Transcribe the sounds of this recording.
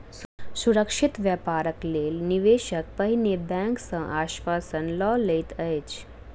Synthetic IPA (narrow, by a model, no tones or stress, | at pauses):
suɾəkʃit̪ʋjapaːɾəkleːlniʋeːʃək̚pɐɦinebɛ̃ŋksə̃ʔaːʃʋaːsənlɔːlejt̪əjt͡ʃ